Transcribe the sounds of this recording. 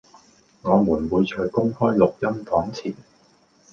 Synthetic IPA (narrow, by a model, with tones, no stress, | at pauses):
ŋɔː˨˧muː˨˩nwuː˨˧jt͡ʃʰœː˧jkʊ˥ŋhɔː˥jlʊ˨k̚jɐ˥mfɔː˨˥ŋt͡sʰiː˨˩n